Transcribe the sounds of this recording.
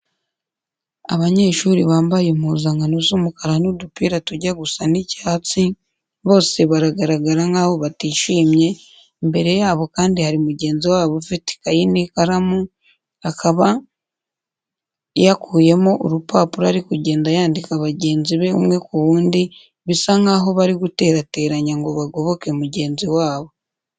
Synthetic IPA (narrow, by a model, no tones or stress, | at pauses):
a̰βaɲe̞ʃuːɾiβaːmbajemuzaŋɡanuzumukaɾanudupiːɾatuɟaɡusanicaːt͡si | βo̞ːse̞βaɾaɡaɾaɡaɾaŋɡaːβo̞βatiːʃiːmɲe̞ | mbe̞ɾe̞jaːβo̞kaːndihaɾimuɟe̞ːnziwaːβofiti̥kajinikaɾamu | akʰaβa | jakuːje̞moʔoɾupaːpuɾaɾikuɟe̞ːndajaːndikaβaɟe̞ːnziβe̞ṵmŋe̞kuβuːndi | βisaŋɡaːɦo̞βaɾiɡute̞ːɾate̞ːɾaɲaŋɡo̞βaɡo̞βo̞kemuɟe̞ːnziwaːβo̞